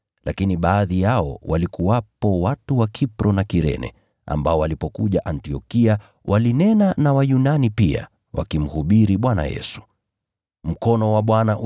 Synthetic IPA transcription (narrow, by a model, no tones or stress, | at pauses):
lʔakiniɓaːðijaɔ̰walikuwapɔwatuwakʰipɾɔnakiɾɛ̰nɛ̰ | a̰mbaɔwalipɔkuʄaʔantiɔkia | wʔalinɛnanawajunanipia̰ | wʔa̰kim̩huɓiɾiɓwana̰jɛ̰su̥ | m̩kɔnɔwaɓwanaʔ